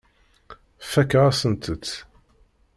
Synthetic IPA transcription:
fækːʁasənt̪ʰət͡s̪ː

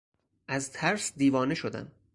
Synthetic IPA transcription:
ʔæzt̪ʰæɾsd̪iːvɒːneʃod̪æ̰n

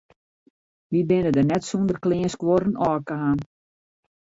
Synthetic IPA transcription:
ʋibɪnədənɛtsundərklɪːənskwoɾənɔːkəɦaːn

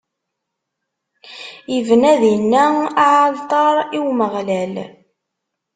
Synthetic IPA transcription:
ivnæðinːæaʕalt̪ˤɑɾˤiwməʁlæl

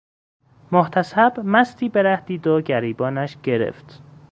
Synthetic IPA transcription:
moht̪ʰæsæbmæst̪ʰiːbeɾæhd̪iːd̪oɟæɾiːbɒːnæʃɡe̞ɾḛft̪

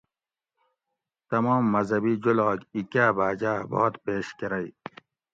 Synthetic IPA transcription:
t̪ɐmɔːmːɐzɐbiːd͡ʑulɑːɡikaːbaːd͡ʑaːbo̰ːt̪peːɕkeɾɐj

